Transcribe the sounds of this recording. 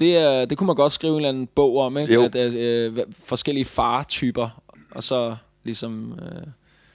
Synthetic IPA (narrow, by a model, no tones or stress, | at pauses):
d̥e̝æɐd̥e̝kʰumænɡ̥ɒ̽d̥sɡ̥ʁiːʊe̝ːnlænn̩b̥ɔ̰ʊ̰ɒ̽m̰eɡ̥æd̥ | fɒ̽sɡ̥el̰iəfɑ̈ːt͡sʰyːb̥ɐ | ʔɒ̽sɒ̽ | lisɒ̽mø